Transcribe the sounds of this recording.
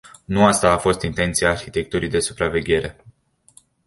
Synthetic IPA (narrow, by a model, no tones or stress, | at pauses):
nuast̪aːfo̞st̪int̪e̞nt̪siaːrçit̪e̞k̚t̪uɾijd̪e̞su̥pɾave̞ɡʲe̞ɾe̞